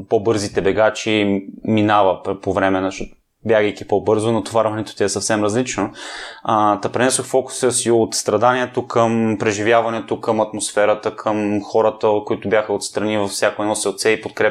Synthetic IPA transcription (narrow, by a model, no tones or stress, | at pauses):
pobɤɾzit̪ɛbɛɡat͡ʃiminavɐpovɾɛmɛnɐʃɔt̪ | bjaɡəjkipobɤɾzonɐt̪ovaɾvɐnɛt̪o̥t̪ʲɛɛsɐfsɛmɾɐzlit͡ʃno | t̪ɐpɾɛnɛsoxfɔkʊ̥səsiot̪st̪ɾɐd̪aniɛt̪okʰəmpɾɛʒivʲjavɐnɛt̪okəmɐt̪mosfɛɾət̪əkʰəmxɔɾət̪əkoit̪ʊbjaxəot̪st̪ɾɐnivɐfsjakoɛnɔsɛlˠt̪sɛipot̪̚kɾɛ